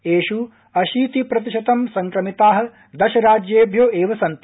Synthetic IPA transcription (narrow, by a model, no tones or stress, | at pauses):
eːʃu | ɐʃiːt̪ipɾɐt̪̬iʃɐt̪ɐmsɐŋkɾɐmit̪aːɦɐ̆ | d̪ɐʃɐɾaːd͡ʒjeːbʱjoːʔeːʋɐsɐnt̪